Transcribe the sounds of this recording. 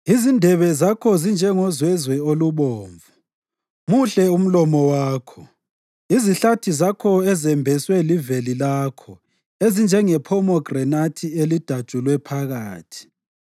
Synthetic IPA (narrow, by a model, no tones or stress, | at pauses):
izindʱɛβɛzakʰɔzind͡ʒʱɛŋɔzwɛzwɛoluβɔːɱvu | muɬɛum̩lɔmɔwaːkʰɔ̥ | iziɬatʰizakʰɔɛzɛmbʱɛswɛlivelilaːkʰɔ | ezind͡ʒʱɛŋɛpʰɔmɔɡrɛnatʰielid̥ʱḁt͡ʃʼulwɛpʰaɣaːtʰi̥